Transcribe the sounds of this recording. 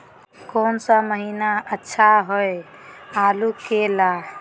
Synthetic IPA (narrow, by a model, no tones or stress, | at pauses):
koːnsəməɦinaətːʃʰaɦoealukela